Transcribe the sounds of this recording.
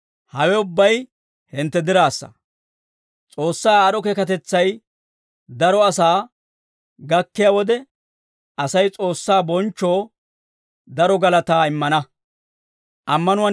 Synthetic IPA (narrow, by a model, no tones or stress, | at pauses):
hɐwɛʊbːɐj | hɪnt̪ːɛd̪ɪɾaːsːɐ̰ | t͡sʼo̞ːsːaːaːɗɔkɛkɐt̪ɛt͡sːɐj | d̪ɐɾɔɐsaː | ɡɐkːɪjawɔd̪ɛ | ɐsɐjt͡sʼo̞ːsːaːbɔnt͡ʃːo̞ː | d̪ɐɾɔɡɐlɐt̪aːɪmːɐnɐ | ʔɐmːɐnʊwɐ